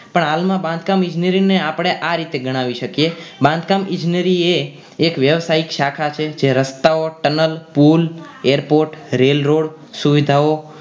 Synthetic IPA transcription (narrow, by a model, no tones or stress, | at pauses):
pəɳɦalmãbãnd̪ʱkamɪ̃d͡ʒnəɾineapəɽ̃eʔaɾit̪eɡəɽ̃ãʋiʃəkjebãnd̪kamɪ̃d͡ʒnəɾieː | kʋjəʋsaikʃakʰat͡ʃʰed͡ʒeɾəst̪aoʈənəlpul | eɾpoɾʈɾelɾoɽ | suʋid̪ʱao